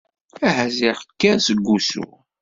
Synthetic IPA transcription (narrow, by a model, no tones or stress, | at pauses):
æɦæzɪʁəkːæsəɡːusṵ